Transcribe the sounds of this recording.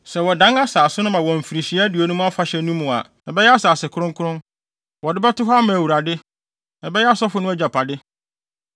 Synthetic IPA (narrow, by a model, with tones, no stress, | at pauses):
sɛ˨wɔ˨dã˦ŋa˦saː˨sʊ˦nʊ̃˦mã˨wɔ̃˨m̩˨fi˨ɾi˨ɕi˨˦dɪ˨o˨nũ˦m̃˦a˦fa˨ɕɛ˨nũ˦mʊ̃˨a̰˨ | na˨bɛ˦jɛ˦a˦saː˨sɪ˨kʰʊ˦ɾʊ̃˦ŋ˦kʰʊ˦ʊ̃˦n | wɔ˨dɪ˦bɛ˦tʊ˦ɦɔ˦a˦mã˨wu˨ɾa˨dɪ˦ | na˨bɛ˦jɛ˦a˦sɔ˦fʊ˦nʊ̃˦d͡ʑa˨pʰa˨dɪ˦